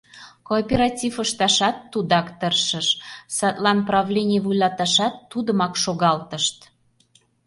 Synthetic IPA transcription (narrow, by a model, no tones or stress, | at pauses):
koːpʲeɾɑt̪ʲifəʃt̪ɑʃɑt̪ːud̪ɑkt̪ərʃəʃsɑt̪lɑnprɑvlʲenʲiəvujlɑt̪ɑʃɑt̪ːud̪əmɑkʃoɣɑlt̪əʃt̪